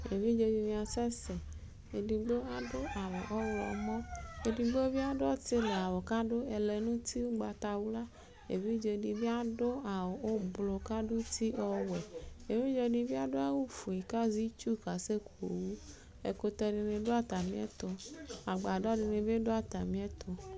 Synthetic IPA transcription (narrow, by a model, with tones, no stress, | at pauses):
e˨vi˦d͡ʒo˧d͡ʒi˧mĩ˧a˧sɛ˦sɛ˨ | e˨di˧ɡ͡bo˦a˦do˦ʔa˨wɔ˨ʔɔ˦wɔ̰˨mɔ̃˦e˨di˧ɡ͡bo˦e˦vi˦a˦dɔ˦te˦lɛ˨a˨wɔ˨ka˦do˦ɛ˧lɛ˨nũ˦tʰi˦wu˦ɡ͡ba˧t̪a˧wu˦la˦ | e˨vi˦d͡ʒe˧˨di˧bi˦a˦do˦a˨wɔ˨ʔo˦blo˨ka˦do˦t̪ʰi˦ʔɔ˦wɛ˨e˨vi˦d͡ʒɔ˧˨di˧vi˦a˦do˦a˦wu˦fu˨i˨ka˦zi˦t͡ʃu˦˨ka˨se˦ko˨wu˦ | e˨ko˧t̪ɛ˧ɖe˧ne˧do˦a˦t̪a˨mĩ˦ɛ̰˦t̪o˨a˨ɡ͡ba˨dɔ˦de˧ne˨be˦do˦a˨t̪a˨mĩ˦ɛ˦t̪o˨